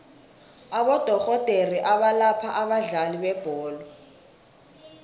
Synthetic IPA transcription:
aɓɔd̥ʱɔɣɔd̥ʼʱeriʔaɓalapʰaʔaɓaɮaliɓɛb̥ʱɔːlɔ

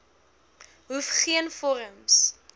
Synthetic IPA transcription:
ɦufχiənfɔɾəms

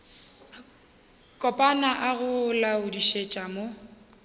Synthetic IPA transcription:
kʼɔpʼanaʔaɣʊlaʊdiʃet͡ʃʼamo

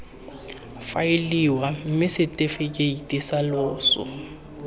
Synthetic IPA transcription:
fa̰ɪliwam̩mɪsɪtʼefekʼeitʼɪsalʊːsʊ̰

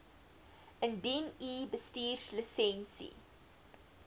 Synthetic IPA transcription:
ʔəndinibəstiːrsləsɛnsḭ

